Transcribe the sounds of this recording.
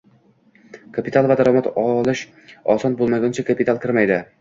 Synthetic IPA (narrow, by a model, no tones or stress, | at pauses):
kʰapʰit̪ʰalˠvad̪aɾɒmat̪ɒlˠɪʃ | ɒsɒnbolˠmaɡʲʊnt͡ʃʰakʰapit̪alˠkʲʰɪɾmajd̪ɪ